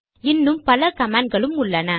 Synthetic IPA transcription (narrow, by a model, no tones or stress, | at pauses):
ɪnːɯmpɐlɐkɐmaːnɡɐɭɯmʊɭːɐnɐ